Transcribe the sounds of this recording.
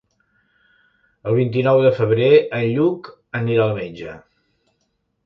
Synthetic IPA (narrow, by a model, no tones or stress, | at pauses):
əlˠβint̪inɔwðəfəβ̞ɾeənʎuk | əniɾaəlˠmed͡ʒə